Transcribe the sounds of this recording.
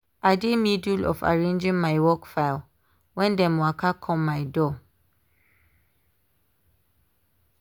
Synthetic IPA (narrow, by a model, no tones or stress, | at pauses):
aɪdemidulɔ̰fa̰ɹẽnd͡ʒĩŋmajwɔkfaɪlˠ | wɛ̃ndɛ̃mwakʰakʰɔ̃mːajdɔ